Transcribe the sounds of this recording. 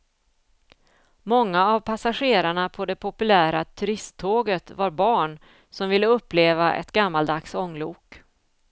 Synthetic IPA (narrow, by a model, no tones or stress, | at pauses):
mɔŋːaːvpʰasaɧeːɾaɳapʰɔd̪ɛpʰɔpɵlæːɾat̪ʰɵɾɪst̪ʰːoːɡət̪vaɾbɑːɳ | sɔmvɪlːəɵpːleːvaʔɛ̰t̪ɡamːald̪aksɔŋːluːk